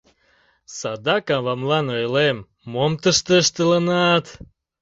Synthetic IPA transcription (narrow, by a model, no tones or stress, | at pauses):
sɑd̪ɑkɑβɑmlɑnojlemː | omt̪əʃt̪əʃt̪ələnɑt̪